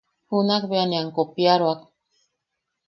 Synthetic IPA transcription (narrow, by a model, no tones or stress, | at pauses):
hunakβeaniaŋkopjaɾoak